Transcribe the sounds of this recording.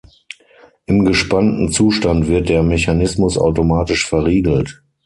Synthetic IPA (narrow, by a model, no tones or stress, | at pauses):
ʔɪmɡəʃpantn̩t͡suːʃtantv̥ɪɐt̚d̥eːɐmɛçanɪsmʊsa̰ʊtomaːtɪʃfɛɐʁiːɡl̩t